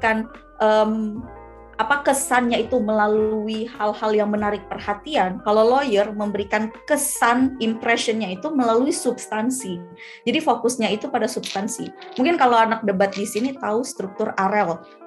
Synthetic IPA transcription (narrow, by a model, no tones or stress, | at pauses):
kan | ʔəm | ʔapakəsanɲait̪uməlaluihalhaljaŋmənaɾɪk̚pərhat̪iankalowlojərməmbəɾikankəsanimpɾɛʃənɲait̪uməlaluisubst̪ansi | d͡ʒadifokʊsɲait̪upadasub̥st̪ansḭmuŋkɪnkalawanak̚dəbat̪̚disinit̪aust̪ɾuk̚t̪ʊraɾɛl